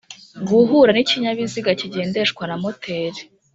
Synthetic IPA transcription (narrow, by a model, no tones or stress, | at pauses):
ɡuɦuɾaniciɲaβiziɡaciɟe̞ːnde̞ʃkwanamotʰe̞ːɾe